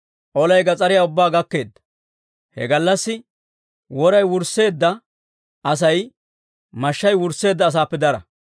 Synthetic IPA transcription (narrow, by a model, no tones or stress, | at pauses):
ʔɔlɐjɡɐt͡sʼɐɾɪjaːʊbːaːɡɐkːe̞ːd̪ːɐ̥ | hɛ̰ɡɐlːɐsːɪ | wɔɾɐjwʊɾsːe̞ːd̪ːɐ | ʔɐs̬ɐj | mɐʃːɐjwʊɾsːe̞ːd̪ːɐːs̬aːpːɛd̪ɐɾɐ̰